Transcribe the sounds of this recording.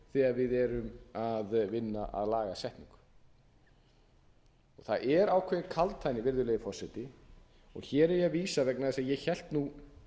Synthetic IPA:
θɛːɣaɾvɪðɛːɾʏmaðvɪnːaʔa̰ðlaːɣasɛht̪niŋk | ɔɣθa̰ðɛɾaːwkʰvɛðɪkʰalt̪ʰajnːɪvɪɾðʏleːjðɪfɔrsajt̪ɪ | ɔ̰ɣçɛːɾɛɾjɛviːsavɛknaðɛsajɛçɛl̥t̪nu

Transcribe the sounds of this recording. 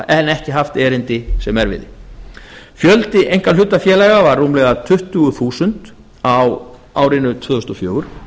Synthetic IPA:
ɛnɛhcɪɦaft̪ɛːɾɪnt̪ɪsɛmɛɾvɪ̰ðɪ | fjœlt̪ɪʔejŋ̥kaʏt̪ːafjɛːlajɣavarːuːmlɛɣat̪ʰʏht̪ʏɣʏθuːsʏnt̪ | aw | aːwɾɪnʏt̪ʰvœːðʏst̪ɔfjœːɣʏɾ̥

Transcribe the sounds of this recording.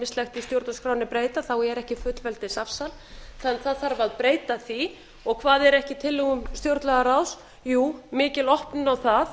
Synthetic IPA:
mɪst̪lɛxt̪ɪst̪jowɾt̪naskɾawnɪpɾeːjt̪aθawɛɾɛhcɪfʏt̪lvɛlt̪ɪsafsalθanθaðθaɾvaðpɾeːjt̪aθi | ɔɣkʰvaːðɛɾɛhcɪt̪ʰɪlːɪɣʏmst̪jowɾt̪laɣaɾaws | juːmɪːcɪlɔhpnʏnawθað

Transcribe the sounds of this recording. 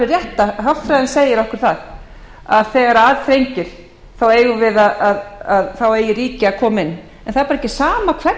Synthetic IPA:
ɪrjɛht̪aɦawft̪fɾajðɪnseːjɪɾɔhkʏɾ̥θað | aðθɛːɣaɾaːðθɾejɲcɪɾ̥ | θaweːjɣʏvɪðaðaðaðθaweːjɪriːcɪakʰɔːmɪnː | ɛnθaðɾpaɾɛcːɪ̥saːmakʰvɛ

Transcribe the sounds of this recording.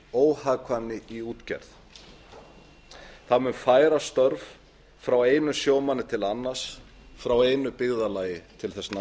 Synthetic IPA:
oːwhaɣkʰvanːɪiuːt̪cɛ̰ɾθ | θaðmʏmfaːjɾast̪œɾv | fɾaweːjnʏsjoːwmanːɪt̪ʰɪlanːaɾ̥s | fɾaweːjnʏpɪɣðalaːjɪt̪ʰɪlθɛsna

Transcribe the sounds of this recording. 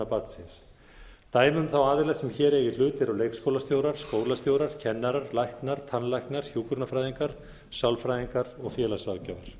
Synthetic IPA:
apat̪sɪns | t̪aːjmʏmθawaːðɪlɛsɛmçɛːɾɛjɪl̥ʏːt̪ɪɾawlejkskowlast̪joːwɾaɾ̥skoːwlast̪joːwɾaɾ̥cʰɛnːaɾaɾlajhknaɾ̥t̪ʰanlajhknaɾ̥hjuːkʏɾt̪nafɾajðiŋkaɾ̥ | sjawlfɾajðiŋkaɾɔɣfjɛːlasvaɣcœːvaɾ̥

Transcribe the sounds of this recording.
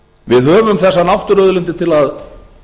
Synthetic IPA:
vɪðɦœːvʏmθɛsːanawht̪ʏɾœðʏlʏnt̪̬ɪt̪ʰɪlað

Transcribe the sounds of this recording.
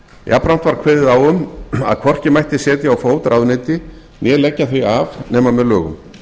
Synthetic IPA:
jʔa̰pɾam̥t̪vaɾ̥kʰvɛːðɪðawʏma̰ðkʰvɔr̥cɪmajht̪ɪsɛːt̪jɪawfoːwt̪ɾʔaðnɪːt̪ɪ | njɛːlɛcːaθvœavnɛːmamɛðlœːɣʏ̰m

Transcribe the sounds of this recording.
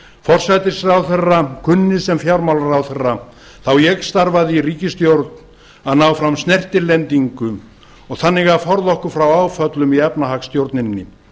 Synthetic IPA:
fɔr̥sajt̪ɪsrawθɛrːakʰʏnːɪsɛmfjawɾmawlaɾawθɛrːa | θawjɛɣst̪aɾvaðɪiriːcɪst̪jowɾt̪̚n | aðnaːwfɾamst̪nɛr̥t̪ɪlɛnt̪iŋkʏ | ɔɣθanːɪɣaðfɔɾðɔhkʏɾfɾawaːwfœt̪lʏmiɛpnaɦakst̪jowɾt̪nɪnːɪ̰

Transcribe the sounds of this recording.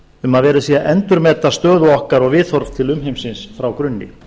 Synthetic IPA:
ʏmaðvɛːɾɪsiːaʔɛnt̪ʏɾmɛːt̪ast̪œːðʏɔhkaɾɔɣvɪθɔɾv̥t̪ʰɪlʏmɦejmsɪnsfɾawkɾʏnːɪ̰

